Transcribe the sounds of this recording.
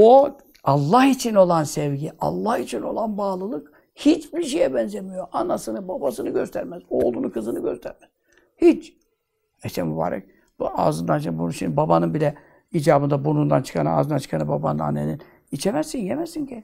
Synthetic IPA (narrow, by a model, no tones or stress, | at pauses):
o | alˠːahit͡ʃʰino̞lˠansɛvɟiʔa̰lˠːahit͡ʃʰino̞̰lˠanbaːlˠɯlˠɯk | hit͡ʃbiɾʃ̬ejɛbɛnzemijoʔanasɯnɯbabasɯnɯɟø̞st̪ʰæɾmɛzolˠunukʰɯzɯnɯɟø̞st̪ʰæɾmɛz̥ | hit͡ʃ | et̪ʰɛ̰muba̰ːɾa̰k̚ | a̰ːzɯnd̪ant͡ʃ̪bunuʃimd̪babanɯnbilʲɛ | iːd͡ʒaːbɯnd̪abunund̪a̰nt͡ʃʰɯ̥kʰana̰ːzɯnd̪ant͡ʃʰɯ̥kʰanɯbaba̰na̰nːḛnin | it͡ʃʰemɛsːinjemɛsincɛ